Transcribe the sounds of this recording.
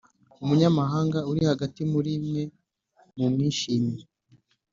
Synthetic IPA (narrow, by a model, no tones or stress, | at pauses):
umuɲamaɦaːŋɡauɾihaɡatimuɾimŋe̞ | mumŋiːʃiːme